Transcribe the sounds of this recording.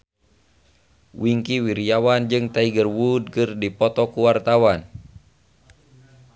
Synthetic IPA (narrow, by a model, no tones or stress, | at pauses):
wiŋkiwiɾiawand͡ʒɨŋt̪aiɡərwud̚kɨrdipɔt̪ɔkuwart̪awan